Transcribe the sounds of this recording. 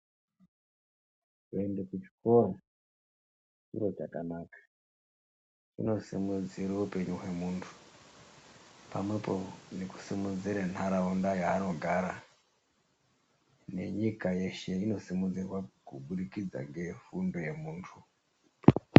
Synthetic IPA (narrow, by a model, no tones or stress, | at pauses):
kue̞ndekut͡ʃi̥ko̞ro | t͡ʃḭro̞t͡ʃakanakḁ | t͡ʃḭno̞sḭmud͡ziɾeupe̞ɲuɦe̞muːntʰu̥ | pamwe̞po̞neku̥simud͡ziɾanʰaɾaundajaːno̞ɡʱaɾa | ne̞̰ɲikaje̞ʃe̞ino̞simud͡zirwakuɓuɗikid͡za̰ŋɡe̞fundo̞je̞muːntʰu